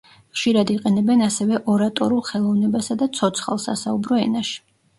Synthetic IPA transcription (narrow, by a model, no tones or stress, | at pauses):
χʃiɾad̪iqʼɛnɛbɛnasɛvɛʔɔɾat̪ʼɔ̰ɾulˠχɛlˠɔvnɛbasad̪at̪sʰɔt̪sʰχa̰lˠsa̰saubɾɔɛ̰naʃi̥